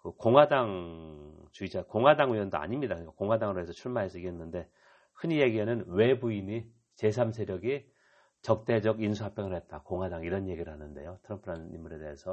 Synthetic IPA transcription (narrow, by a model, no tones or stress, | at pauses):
kɯkoŋɦadaŋ | t͡ɕuid͡ʑakoŋɦwadaŋiʌndoa̰ɲimɲidakɯɲikakoŋɦwadaŋɯɾoɦe̞sʰʌt͡ɕʰuɭmaɦes͈ʰɯiɡiɦenːɯnde̞ | kʰɯɲijeɡiɦenɯnwe̞buini | t͡ɕe̞sʰamsʰe̞ɾjʌɡi | t͡ɕʌk̚t͈e̞d͡ʑʌɡinsʰuɦap͈jʌŋɯɭhet̚t͈akoŋɦadaŋiɾʌnje̞ɡiɾɯɭhanɯnde̞jotʰɯɾʌmpʰɯɾanḭmːuɾe̞de̞esʰʌ